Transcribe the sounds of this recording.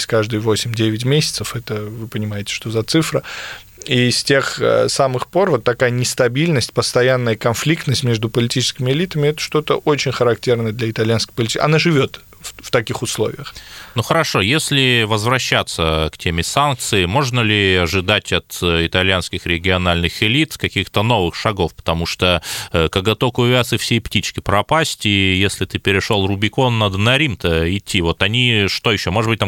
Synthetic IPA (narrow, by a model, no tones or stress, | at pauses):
sʲkaʐd̪ɨjəvo̞sʲɪmʲdʲevʲɪt̬ʲmʲesʲɪ̥t̪səfɛt̪əvɨpənʲɪmajɪtʲɪ̥ʂt̪o̞zɐt̪sɨfɾə | isʲtʲe̞xsamɨxpo̞rvo̞t̪ːɐkajənʲɪst̪ɐbʲilʲnəsʲtʲpəst̪ɐjanːəjəkɐnflʲik̚t̪nəsʲtʲmʲeʐd̪ʊpəlʲɪtʲit͡ɕɪ̥skʲɪmʲɪɪlʲit̪əmʲɪɛt̪ə̥ʂt̪o̞t̪əʔo̞t͡ɕɪnʲxəɾɐktʲe̞rnəjəd̪lʲɐɪt̪ɐlʲjanskʲə̥jpəlʲɪtʲiʔɐ̰naʐɨvʲo̞t̪ | ft̪ɐkʲixʊslˠo̞̰vʲɪ̰jəxnuxəɾɐʂo̞jesʲlʲɪvəzvɾɐɕːat̪səktʲʰemʲɪsank̚t̪sɨɪmo̞ʐnəlʲɪɐʐɨd̪atʲɐt̪ɪt̪ɐlʲjanskʲɪxɾʲɪɡʲɪɐnalʲnɨxɪlʲit̪kɐkʲixt̪əno̞vɨxʂɐɡo̞fpə̥t̪ɐmuʂt̪okəɡɐt̪okʊvʲasɨfsʲeptʲit͡ɕkʲɪpɾɐpasʲtʲijesʲlʲɪt̪ɨpʲɪɾʲɪʂolˠrʊbʲɪko̞nːad̪ənɐɾʲimt̪əɪtʲːivo̞t̪ɐnʲiʂt̪o̞jɪɕːo̞moʐɨdbɨt̪̚ʲa